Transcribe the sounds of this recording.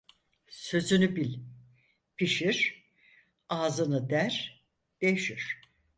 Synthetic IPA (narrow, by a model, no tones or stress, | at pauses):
sø̞zynybilʲ | pʰiʃiɾ̥ | aːzɯnɯd̪æɾ̥ | d̪̥eʃiɾ̥